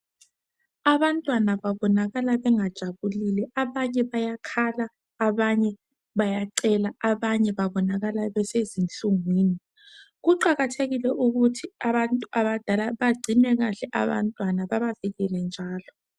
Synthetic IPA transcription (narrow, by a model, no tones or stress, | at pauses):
aβantʼwanaβaβɔnaɣalaβɛŋad̥ʒ̥ʱaβulilɛaβaɲɛβajakʰalaː | βaɲɛ | βajaǀɛlaaβaɲɛβaβɔnaɣalaβɛsezint͡ɬʼuŋwiːni | ɣuǃaɣatʰeɣilɛʔuɣutʰiaβantʼuʔaβad̥ʱalaβaɡ͡ǀʱinɛɣaɬɛʔa̰βa̰ntʼwanaβaβaviɣɛlɛnd͡ʒʱaːlɔ